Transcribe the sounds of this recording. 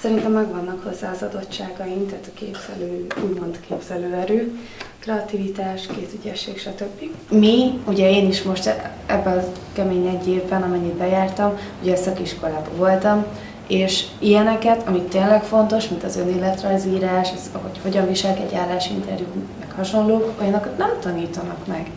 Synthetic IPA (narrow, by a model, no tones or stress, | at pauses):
sɛɾint̪ɛmːɛɡvɒnːɒkho̞zːaːzɒd̪o̞tt͡ʃːaːɡɒjimt̪aːt̪ɒkeːbz̥ɛløːuːɟmo̞nt̪kʰeːbz̥ɛløːɛɾøː | krɛɒt̪ivit̪aːʃkeːt̪yɟɛʃːeːkʃɒt̪ø̞bːiɡmiuɟɛeːniʃmo̞ʃt̪ | ɛ̰bːɛɒkɛmeːɲɛɟːeːvbɛnɒmɛɲːid̪bɛjaːrt̪ɒm | uɟɛːsɒkiʃko̞laːbɒvo̞lt̪ɒm | eːʃijɛnɛkɛt̪ʰɒmit̪ːeːnlɛkfo̞nt̪o̞ʃmint̪ɒzø̞neːlːɛt̪rɒjziːɾaːʃɒzɒɦo̞cho̞ɟɒɱviʃɛlkɛ̰ɟaːlːaːʃḭnt̪ɛrjumɛkhɒʃo̞nloːkojɒnːɒkt̪nɛmt̪ɒniːt̪ɒnɒkmɛɡ̥